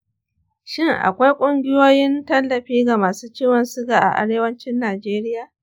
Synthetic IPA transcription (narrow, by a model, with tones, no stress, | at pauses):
ʃɪ˦ŋʔa̰˨kʷa˦jkʷʼʊ˦ŋɡʲɪ˦joː˦jɪ˦ntɐ˦lːɐ˨ɸiː˦ɡa˨maː˨suː˦t͡ʃiː˦wɐ˨nsʊ˦ɡaː˨ʔa̰˨ʔa̰˦ɽeː˦wɐ˦nt͡ʃɪ˦nːaː˨d͡ʒeː˦ɾɪ˦jaː˨